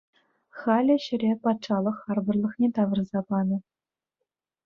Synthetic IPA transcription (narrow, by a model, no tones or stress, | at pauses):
χɑlʲɘ̆ɕɘ̆ɾʲepɑt̪ʂɑlˠɤ̆χɑrbɤ̆rlˠɤ̆χnʲet̪ɑʋɤ̆rzɑpɑnɤ̆